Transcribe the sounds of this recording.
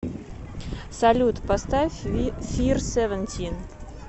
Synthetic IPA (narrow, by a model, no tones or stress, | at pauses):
sɐlʲut̪past̪afʲirsʲɛvənʲt̪ʲʰin